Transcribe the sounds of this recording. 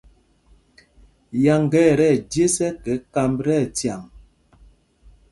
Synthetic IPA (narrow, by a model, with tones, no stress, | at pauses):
ja˨ŋɡɛ˦˨ɾɛ˦˨dje˦sɛ˦kɛ˨˦ka˦mbɾɛ˦˨tja˨ŋ